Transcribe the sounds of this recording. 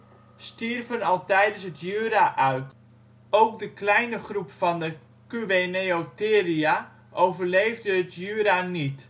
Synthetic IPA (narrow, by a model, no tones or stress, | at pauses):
stirvənɑlˠtɛjdənsɦətʰjyːɾaʔœɥt | owk̚dəklɛjnəχrupfɑndə | kyʋeneotɪːria | ʔowvərlejvdəɦətjyːɾanit